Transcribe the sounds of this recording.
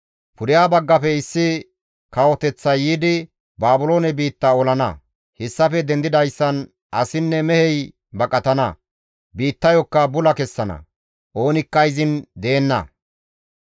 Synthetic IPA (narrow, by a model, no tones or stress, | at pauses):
pʊɾɪjaːbɐɡːɐfɛɪsːɪ | kɐwɔt̪ɛt͡sːɐjiːd̪ɪ | baːbʊlo̞ːnɛbiːt̪ːɐɔlɐnɐ̰ | hɛsːɐfɛd̪ɛnd̪ɪd̪ɐjsːɐn | ɐsɪnːɛmɛhɛj | bɐkʼɐt̪ɐnɐ̰ | biːt̪ːɐjɔkːɐbʊlɐkɛsːɐnɐ̰ | ʔo̞ːnɪkːɐɪzɪnd̪eːnːɐ̰